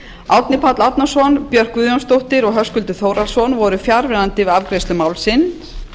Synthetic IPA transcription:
awt̪nɪpʰat̪lawt̪nasɔnpjœr̥kvʏːðjɔnst̪owht̪ɪɾɔɣɦœskʏlt̪ʏθowɾalsɔnvɔɾʏfjaɾvɛðant̪ɪvɪavkɾejst̪ʏmaːwlsɪn

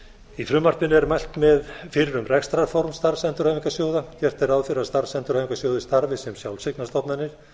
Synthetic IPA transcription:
ifɾʏːmart̪ɪnɛɾmajl̥t̪mɛðfɪɾɾʏmrɛkst̪ɾafɔɾmst̪aɾsɛnt̪ʏɾaːjviŋkasjoːwðacɛr̥t̪ɛɾaðfɪɾast̪aɾsɛnt̪ʏɾaːviŋkasjoːwðɪst̪aɾvɪsɛmsjawlseknast̪ɔp̪nanɪɾ̥

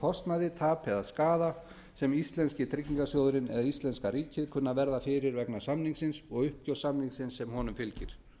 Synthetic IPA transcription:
kʰɔst̪naðɪt̪ʰaːpʰɛðaskaːða | sɛmist̪lɛnscɪt̪ʰɾɪciŋkasjoːwðʏɾɪnɛ̰ðaist̪ɛnskaɾiːcɪðkʰʏnːavɛɾðafɪɾɪɾvɛknasamniŋksɪnsɔɣʏhpcowsamniŋsɪnsːɛmhɔnʏmfɪlcɪɾ̥

